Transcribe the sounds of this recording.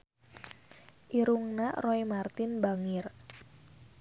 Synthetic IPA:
ʔiɾuŋnaroimart̪ɪnbaŋɪr

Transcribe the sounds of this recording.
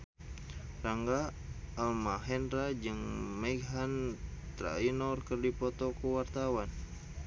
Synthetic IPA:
raŋɡaːlmaɦɛnɾad͡ʒɨŋmaɡɦant̪ɾa̰inɔrkərdipɔt̪ɔkuwart̪awan

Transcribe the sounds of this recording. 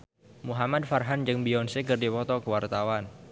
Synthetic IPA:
muɦamad̪̚farɦand͡ʒɨŋbiɔnsekərdipɔt̪ɔkəwart̪awan

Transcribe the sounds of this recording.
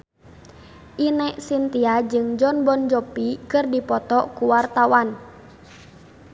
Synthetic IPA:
ʔinɛʔsint̪iad͡ʒɨŋd͡ʒɔnbɔnd͡ʒɔpikɨrdipɔt̪ɔkuwart̪awan

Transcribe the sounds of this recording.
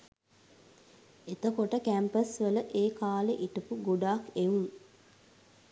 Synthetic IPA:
et̪əkoʈəkæmpəsʋələʔeːkaːleʔiʈəpuɡoɖaːkeʋuŋ

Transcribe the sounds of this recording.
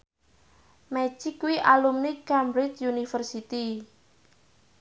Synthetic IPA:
mɛt͡ʃikwiʔalumnikambɾɪt͡ʃunifərsit̪i

